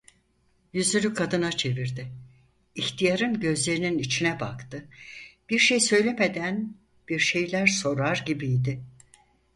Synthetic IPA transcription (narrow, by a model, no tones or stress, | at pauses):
jyzyɾykʰad̪ɯnat͡ʃʰe̞viɾd̪ɪː | çt̪ʰijaɾɯnɟø̞zlʲe̞ɾininit͡ʃʰinɛbakt̪ɯb̥iɾʃejsø̞jlʲeme̞d̪æn | b̥iɾʃe̞jlʲæɾso̞ɾaɾɟibijd̪ɪ